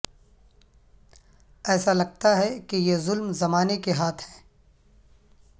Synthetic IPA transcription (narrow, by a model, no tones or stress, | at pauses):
ɛːsalɐɡ̚t̪aɦɛkejezʊlmzɐmaːnekeɦaːt̪ʰɦɛ̃ː